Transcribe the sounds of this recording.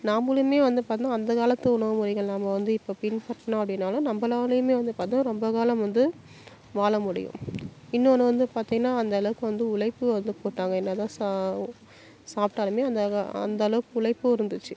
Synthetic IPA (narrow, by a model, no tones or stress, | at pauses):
naːmbɯlɯmeːʋɐnd̪ɯpaːɾt̪ɪnːãːnd̪ɐkaːlɐt̪ːɐʊɳɐʋɐmʊɽɪɣɐɭlaːmɐʋɐnd̪ɯɪpːoːpɪnpɐɾʈːɐñɐpːɐɽɪnːaːlɐnɐmbɐlaːlɐjɯmeːʋɐnd̪ɯpaːɾt̪nːaːɾɔmbɐkaːlɐmʋɐnd̪ɯ | ʋaːɭɐmʊɽɪ̰jʊ̰̃ɪnːoːnɯʋɐnd̪ɯpaːɾt̪ĩŋɡɐnːaːɐnd̪ɐɐlɐʋɯkːɯʋɐnd̪ɯʊɭɐɪpːɯʋɐnd̪ɯpoːʈːaːŋɡɐɛnːɐt̪ãːs | saːp̚ʈaːlɐmeːɐnd̪ɐɐ̰nd̪ɐɐlɐʋɯkːɯʊɭɐɪpːɯɪɾɯnd̪ɯt͡ʃːɯ